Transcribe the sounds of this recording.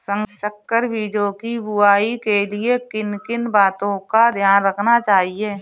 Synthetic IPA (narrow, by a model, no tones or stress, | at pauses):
sə̃ŋɡʃəkːəɾbʱiːd͡ʒokibʊaːikeliekɪnkɪnbaːt̪õkad̪ʱjaːnɾəkʰnat͡ʃaːɦieː